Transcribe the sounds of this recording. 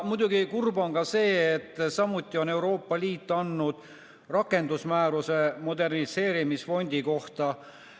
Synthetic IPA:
mud̪̥ʲuɡikurbo̞nkɑse̞ːet̪ːˑsɑmut̪ʲːˑio̞ne̞uɾo̞ːpːɑliːt̪ːˑɑnːud̪̥ | rɑkːˑe̞nd̪usmæːɾuse̞mo̞d̪e̞rnise̞ːɾimisfo̞nʲd̪̥iko̞ht̪ɑ

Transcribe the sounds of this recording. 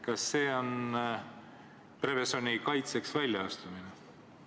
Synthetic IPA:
kɑsːe̞ːo̞n | pre̞vesonʲikɑjt̪se̞ksvælʲjɑɑst̪umine

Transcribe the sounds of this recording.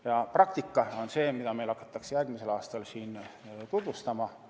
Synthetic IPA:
jɑprɑk̚t̪ikːˑɑo̞nse̞ːmid̪ɑme̞jlhɑkːˑɑ̥t̪ːˑɑksjærɡ̥mise̞lɑːst̪ɑlsiːnt̪ud̪̥vust̪ɑmɑ

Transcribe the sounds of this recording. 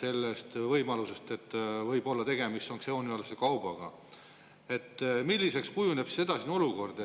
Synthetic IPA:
se̞lːest̪vɤjmɑluse̞st̪e̞t̪ːˑvɤjb̥o̞lːɑt̪e̞ɡe̞mist̪ːo̞ŋkseoniɑlsekɑwb̥ɑɡ̥ɑ | e̞t̪ːˑmilʲːise̞kskujuneb̥sed̪ɑsino̞luko̞rd̪̥e

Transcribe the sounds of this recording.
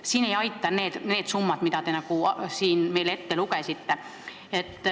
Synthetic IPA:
siːne̞jɑjt̪ːˑɑneːt̪neːt̪sumːɑt̪mit̪ɑt̪enɑkusiːnmejle̞t̪ːelukesit̪ːe | et̪ː

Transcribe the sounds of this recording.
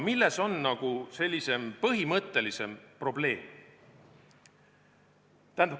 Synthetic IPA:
milːe̞so̞nːɑɡ̥use̞lʲːise̞mpɤɦimɤt̪ːˑe̞lise̞mpro̞ble̞ːm | t̪æænd̪

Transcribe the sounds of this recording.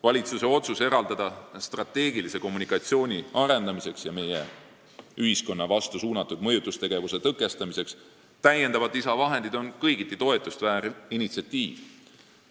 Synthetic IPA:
vɑlʲit̪suse̞o̞t̪suse̞ɾɑld̪ɑd̪̥ɑst̪rɑt̪ːe̞ːɡilise̞ko̞mːunikɑt̪sio̞ːnʲiɑɾe̞nd̪ɑmise̞ksjɑme̞je | yɦisko̞nːɑvɑst̪usuːnɑt̪ːˑud̪̥mɤjut̪ːˑust̪e̞ɡ̥e̞vuse̞t̪ɤkːˑe̞st̪ɑmise̞ks | t̪æje̞nd̪ɑvɑd̪isɑvɑɦe̞nd̪̥id̪̥o̞nkɤjɡit̪ːˑit̪o̞e̞t̪ːˑust̪væːɾinit̪siɑt̪ːiːv

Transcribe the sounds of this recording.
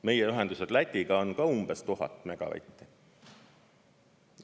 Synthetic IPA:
me̞jeyɦe̞nd̪used̪̥læt̪ʲːˑiɡ̥ɑo̞nkɑumb̥est̪uɦɑ̰t̪ːˑmæɡ̥ɑ̰væ̰jt̪ʲːˑi

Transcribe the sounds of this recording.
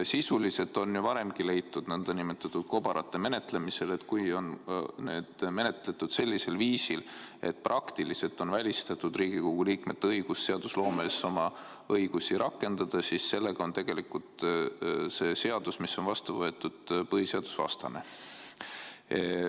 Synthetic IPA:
sisulise̞t̪ːˑo̞njuvɑɾe̞mɡ̥ile̞jt̪ːˑud̪̥nænd̪̥ɑnimet̪ːˑɑt̪ːˑud̪̥̚ko̞b̥ɑɾɑt̪ːˑe̞me̞ne̞t̪le̞mise̞le̞t̪kujo̞nnḛːd̪̥me̞ne̞t̪ˑle̞t̪ːˑud̪̥se̞lʲːise̞lviːsile̞̰t̪̚ːˑprʔɑkt̪ilise̞lt̪ːˑo̞nvælʲist̪ɑt̪ːˑud̪riːɡ̥iko̞ɡ̥uliːkmet̪ːeɤjɡ̥usːe̞ɑd̪̥uslo̞ːmeso̞mɑ | ɤjɡ̥usiɾʔɑkːˑe̞nd̪̥ɑd̪̥ɑsisse̞lːe̞ɡ̥ɑo̞nt̪e̞ɡ̥e̞likult̪ | se̞se̞ɑd̪̥usmisːo̞nvɑst̪uvɤe̞t̪ːˑud̪̥pɤɦise̞ɑd̪̥u̥svɑ̰st̪ɑ̰ne̞̰

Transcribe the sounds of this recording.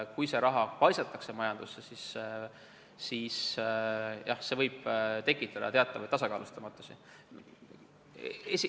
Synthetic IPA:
kujse̞ɾɑɦɑpɑjsɑt̪ːˑɑkse̞mɑjɑnd̪̥usːesis | iːs | jɑhse̞vɤjb̥t̪e̞kːˑit̪ːˑɑd̪ɑ̰t̪e̞ɑt̪ːˑɑvɑjt̪ɑsɑkɑ̰ːlust̪ɑmɑt̪ːˑu̥si | esi

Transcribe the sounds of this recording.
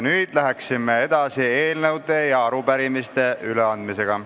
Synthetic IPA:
nyːd̪̥læɦeksimːee̞d̪̥ɑsieːlnewd̪e̞jɑɑɾupæɾimist̪e̞ʔyleɑnd̪mise̞ɡ̥ɑ

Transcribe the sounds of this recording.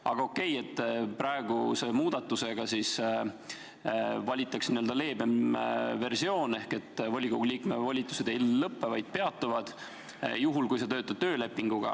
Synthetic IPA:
ɑ̰ɡ̥ɑo̞kːˑe̞je̞t̪ːpɾɑeɡuse̞muːd̪̥ɑt̪ːˑuse̞ɡ̥ɑsis | vɑlʲit̪ːˑɑksniøld̪ɑle̞ːbe̞mve̞rsio̞ːne̞hke̞t̪ːˑvolʲikoɡuliːkme̞vɑlʲit̪ːˑu̥se̞d̪̥e̞iːɤpːe̞vɑjd̪̥̚pe̞ɑt̪ːˑuvɑd̪̥ | juɦulkujs̬et̪ø̞ːt̪ːˑɑd̪̚t̪ø̞ːle̞pːiŋɡ̥uɡ̥ɑ̰

